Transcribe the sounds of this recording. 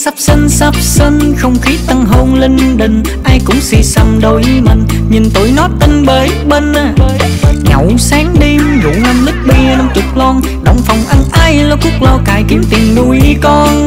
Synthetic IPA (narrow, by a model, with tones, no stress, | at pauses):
sa˦˥p̚si˧ŋ̟sa˦˥p̚si˧ŋxə˧wŋ͡mxi˨˦t̪a˧ŋɦo˧nli˧nɗi˨ŋ̟ | ʔaː˧jkʊ̰˧˥ŋ͡msḭ˧sa˨˩mɗo˧˨˩jma̰˨˩ŋ̟ɲi˨˩nt̪o˨˩jnɔ˨˦t̪i˧ŋɓeː˨˦ | ɓe˧nː˨˩ | ɲə˧˨˩wsaː˨˦ŋɗi˧mzʊ̰˧˨˦na˧mlɨ˦˥k̚ɓi˧əna˧wŋ͡mt͡ɕʊ˨˩k͡p̚lɔ˧n | ɗə˧˩wŋ͡mfa˨˩wŋ͡mʔa˧nʔaː˧jlaː˨˩ku˦˥ək̚lɔ˧˩wka̰ː˧˨˩jki˨˦əmt̪i˨˩əmnu˨˩jkɔ˧n